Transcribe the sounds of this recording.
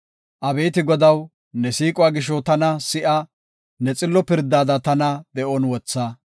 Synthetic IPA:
ʔɐbe̞ːt̪ɪɡɔd̪ɐw | nɛsiːkʼɔwaːɡɪʃɔt̪ɐnɐsɪʔɐ | nɛt͡sʼɪlːɔpɪɾd̪aːd̪ɐt̪ɐnɐd̪ɛʔɔnwɔt͡sːɐ

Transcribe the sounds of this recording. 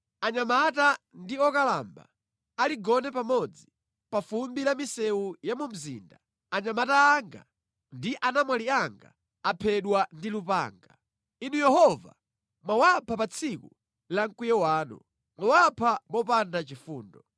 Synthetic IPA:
aɲamatandiɔkala̰mba̰ː | liɡɔnɛpamɔd͡zi | pafumbilamisɛwujamum̩zḭːnda | aɲamataːŋɡa̰ | ndiʔanamwaliaŋɡa̰ | apʰɛɗwandilupa̰ːŋɡa | inujɛhɔva̰ | mwawapʰapat͡sʰikṵ | laŋ̩kujɛwaːnṵ | mwawapʰamɔpandat͡ʃifuːndɔ

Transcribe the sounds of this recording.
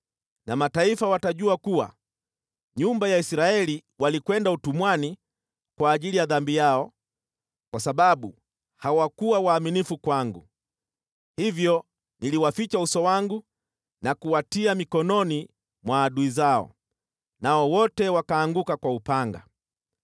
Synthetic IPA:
namataifawataʄuakuwa̰ | ɲumbajaisɾaɛliwalikwɛndautumwani | kwaːʄilijaðambijaɔ | kwasaɓaɓu | hawakuwawaːminifukwaŋɡṵ | hivjɔ | niliwafit͡ʃausɔwaŋɡu | nakuwatiamikɔnɔni | mwaːɗuizaɔ̰ | naɔwɔtɛwakaːŋɡukakwaupaŋɡa̰

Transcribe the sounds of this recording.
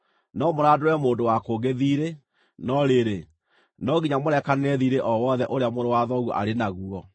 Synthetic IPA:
nɔmoɾadoɾɛmoːndowakoɣeðiːɾe | nɔɾeɾe | nɔɣiɲamoɾɛkanɛðiɾeʔɔwɔðɛʔoɾeamoɾowaðɔɣɔ̰ʔa̰ɾenaɣuɔ

